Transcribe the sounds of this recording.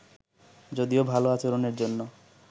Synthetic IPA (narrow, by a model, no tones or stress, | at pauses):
d͡ʑod̪iobʱaloat͡ɕoɾoneɾd͡ʑonːo